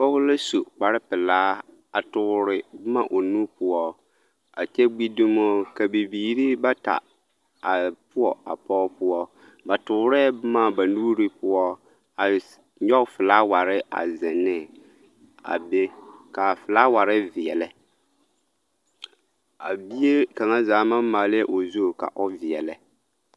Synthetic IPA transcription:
pɔ˦ɣʊ˦la˦so˨k͡pa˨ɾɪ˦pɪ˨laː˦ | a˨tʊ˦ɾɪ˦bʊ˦ma˦ʔo˨nu˦pʊ˦ɔ˦ | a˨t͡ʃɛ˦ɡ͡bi˦dʊ˦mɔ˦ka˨bi˨biː˨ɾi˦ba˦ta̰˨ | a˨pʊ˦ɔ˨a̰˨pɔː˦pʊ˦ɔ˦ | ba˨tʊ˨ʊ˦ɾɛ˦bʊ˦ma˦ba˨nuː˦ɾi˦pʊ˦ɔ˦ | a˨ | ɲɔ˦kfɨ˨laː˦wa˨ɾɪ˦ʔa̰˨zɪ˨nːɪ˦ | a̰˨be˦ka˨fɨ˨la˦wa˨ɾɪ˦vɪ˨ɛ˨lɪ˦ | a˨bi˦e˦ka˨ŋa˦zaː˨˦ma˦maː˨lʔo˨zo˦˨ka̰˨ʔo˦vɪ˨ɛ˨lɪ˨

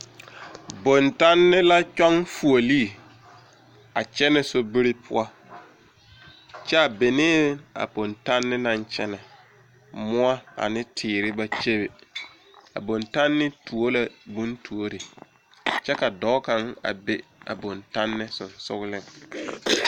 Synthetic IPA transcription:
bo˨nta˦nːɪ˦la˦t͡ʃɔ˦ŋfu˨o˨li˦˨ | a̰˨t͡ʃɛ˦nɛ˨so˦bi˦ɾɪ˦pʰʊ̰˦a˦ | t͡ʃɛ˦a˨be˨nɪː˦a̰˨bo˨nta˦nːɪ˦nã˦ɲt͡ʃɛ̰˦nɛ˨ | mʊ˦a˦a̰˨nɪ˦tʰɪː˨ɾɪ˦ba˦t͡ʃe˦be˨ | a̰˨bo˨nta˦nːɪ˦tu˨o˦la˨bũ˦ntʰu˨o˦ɾɪ˨ | t͡ʃɛ˦ka˨dɔ˨˦ka˨ŋa̰˨be˦a̰˨bo˨nta˦nːɪ˦sʊ˨nsʊ̰˦ɣʊ˦lɪ˦ŋ

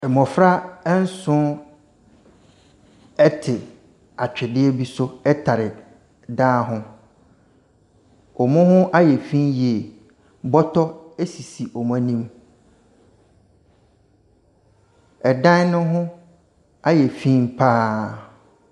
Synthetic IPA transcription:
ɛ˨mɔ̃˨fɾa˦ɛ˦n̩˦sʊ̃˦ | ɛ˦tʰɪ˨ | a˨t͡ɕᶣɪ˨dɪ˦ɛ˦bi˦sʊ˦ɛ˦tʰa˨ɾɪ˨ | daː˦ɦʊ̃˦ | ɔ˨mʊ̃˦ɦʊ̃˦ʔa˦jɛ˨fĩ˦nje˨ | bɔ˦tʰɔ˦e˦si˨si˨ʔɔ˨m˦a˦nĩ˦m | ɛ˨dã˦n˦nʊ̃˦ɦʊ̃˦ | a˦jɛ˨fĩ˦m̩˦pʰaː˦

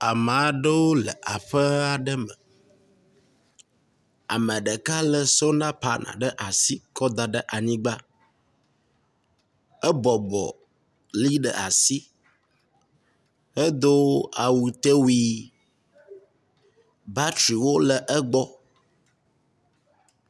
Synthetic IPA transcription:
a˨m˨a˨ɖə˦wo˦lə˨ʔa˨ɸə˦a˦˨ɖə˦mə˨ | a̰˨mə̃˨ɖə˨ka˦lə˦so˦nã˦pa˨nʔã̰˨ɖə˦ʔa˨si˦kɔ˦d̪a˨ɖə˦ʔa˨ɲĩ˦ɡ͡ba˦ | ə˦bɔ˨bɔ̰˨ | li˦ɖə̰˨a˨si˦ | hə˦d̪o˦a˨wu˨t̪e˦wi˦ | ba˦tɾi˨wo˦lə˨ʔə˦ɡ͡bɔ˦

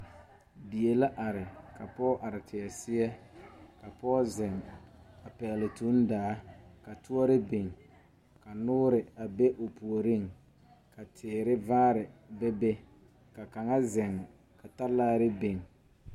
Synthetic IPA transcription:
bi˨e˨la˦ʔa˨ɾɪ˨ka˨pɔː˦ʔa˨ɾɪ˨tʰɪ˨ɛ˨sɪ˦ɛ˦ka˨pɔː˦zɛ˨ŋa˨pɛ˨lɪ˨tu˨˦n˦daː˨˦ka˨tʊ˦ɔ˦ɾɪ˦be˨ŋ | ka˨nʊː˦ɾɪ˨a˨be˦ʔo˨pu˨o˨ɾi˦˨ŋ | kʰa˨tʰɪː˨ɾɪ˦vaː˦ɾɪ˨bɛ˦be˦ | ka˨ka˨ŋa˦zɛ˨ŋ | ka˨ta˦laː˦ɾɪ˦be˨ŋ

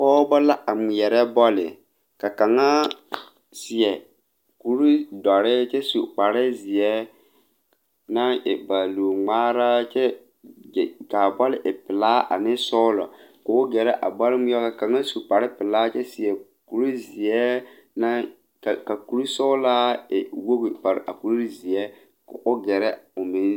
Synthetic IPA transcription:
kɔː˦bɔ˦la˦ʔa˨mʊ˨jɛ˨ɾɛ˦bɔ˦lɪ̰˨ | ka˨ka˨ŋa˦ | sɪ˨jɛ˨ | ku˨ɾu˦dɔ˨ɾɪ˦t͡ʃe˦su˨k͡pa˨ɾɪ˦zi˨jɛ˦ | na˦˨ba˨lu˨ŋ͡maː˦ɾa˦t͡ʃɛ˦˨ | ka˨bɔ˦lɪ˦ʔɪ˨pɪ˨laː˦a̰˨nɪ˦sɔ˦lɔ̰˨kʊ˨ʊ˦ɡɛ˨ɾɛ˦ʔa̰˨ba˦lɪ˦mʊ˦jɔ˦ɣa˦ka˨ŋa˦su˨k͡pa˨ɾɪ˦pɪ˨laː˦t͡ʃɛ˦si˨ɛ˨ | ku˨ɾi˦zi˨ɛ˦ | na˦ | kka˨ku˨ɾu˦sɔ˦la˦ɪ˨wo˦ɣi˨pa˨ɾ̰ʔa̰˨ku˨ɾu˦ɾzi˨ɛ˦ | kʊ̰˨ʔʊ˦ɡɛ˨ɾɛ˦ʊ˨mɪ˦n˦

